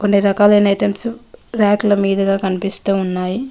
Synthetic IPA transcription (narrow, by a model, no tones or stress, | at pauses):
konːiɾɐkaːlɐnɐʈemsuɾaːklɐmiːd̪ɐɡaːkɐnipist̪uːunːaːji